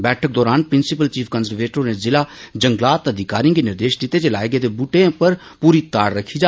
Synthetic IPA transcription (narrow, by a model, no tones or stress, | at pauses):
bɛːʈʰək̚d̪ɔːɾaːnpɾɪnsɪpəlt͡ʃiːpʰkənzəɾʋeːʈɾoːneːzɪlaːd͡ʒəŋɡlaːt̪əd̪ɪkaːɾĩŋɡiːnɪɾd̪eːʃd̪ɪt̪ːeːt͡ʃela̰ːeɡet̪ebuʈẽpəɾ | puːɾiːt̪aːɽɾəkʰːiːd͡ʒaː